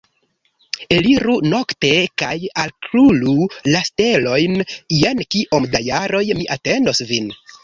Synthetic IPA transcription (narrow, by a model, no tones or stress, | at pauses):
eliɾuno̞kte̞kajalkɾululaste̞lo̞jnjenkiʔomdajaɾo̞jmiʔate̞ndosvin